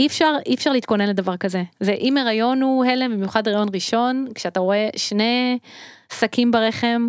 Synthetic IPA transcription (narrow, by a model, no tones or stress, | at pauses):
ifʃaʁifʃaʁliːt̪̚ko̞ne̞nle̞d̪avaʁkaze̞zeʔimeʁajo̞nhuhelembimjuχadʁajo̞nʁiʃo̞nkʃeat̪aʁo̞e̞ʃne̞ | sakimbaʁeχe̞m